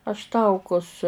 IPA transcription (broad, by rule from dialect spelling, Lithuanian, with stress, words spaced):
ɐʃ ˈtɐʊkʊs